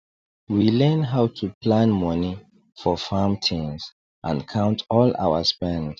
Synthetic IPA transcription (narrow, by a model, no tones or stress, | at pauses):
wilɛ̃nɦaʊtʰuplãnmɔni | fɔfamtʰĩŋs | ʔã̰nkʰãʊ̃ntʰɔla̰ʊə̰spɛ̃nd